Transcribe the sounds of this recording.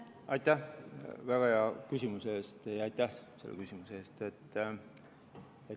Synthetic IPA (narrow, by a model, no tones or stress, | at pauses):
ɑjt̪ːˑæhvæɡ̥ɑjɑkysʲimusee̞ːst̪jɑɑjt̪ːˑæhselːekysʲimuse̞e̞ːst̪e̞t̪ːˑ | e